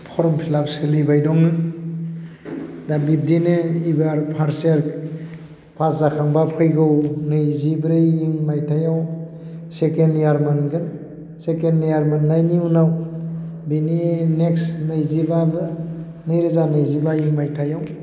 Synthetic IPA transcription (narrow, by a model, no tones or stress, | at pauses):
pʰɔɾɔmpʰilapsɯlibajdɔŋɯ | dabip̚dinɯibaɾpʰaɾseɾ | pʰaszakʰaŋbapʰɯjɡɯwnɯjzibɾɯjiŋmajtʰajaw | sekenjaɾmɯnɡɯn | sekendjaɾmanːajniunaw | binineksnɯjzibabɯ | nɯjɾɯzanɯjzibajiŋmajtʰajaw